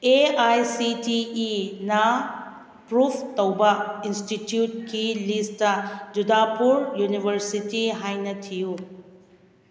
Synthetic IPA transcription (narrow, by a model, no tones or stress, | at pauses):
eajsitiːnɐ | pɾupʰtɐwbɐinstitjut̚kilistɐd͡ʒudapuɾjunibʱɐɾsitiɦajnɐtʰiju